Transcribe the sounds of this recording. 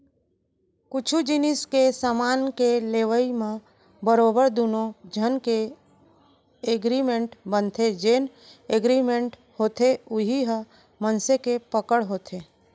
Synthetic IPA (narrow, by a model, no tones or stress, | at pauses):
kʊt͡ʃʰud͡ʒɪnɪskesaːmaːnkeleːʋəimẽ | bəɾoːbəɾd̪unod͡ʒʱənke | eɡɾimẽɳʈbə̃nt̪ʰed͡ʒeːn | eɡɾimẽɳʈ | hoːt̪ʰeʊɦiɦə | mənsekepəkəɽɦoːt̪ʰeː